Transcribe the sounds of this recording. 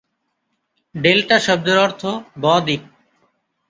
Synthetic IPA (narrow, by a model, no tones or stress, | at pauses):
ɖelʈaʃɔb̚d̪oɾɔɾt̪ʰobɔːd̪ik̚